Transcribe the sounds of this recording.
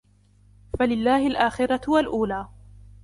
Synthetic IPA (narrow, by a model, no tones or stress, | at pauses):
falɪlːaːhɪlʔaːxɪɾɑwalʔuːlaː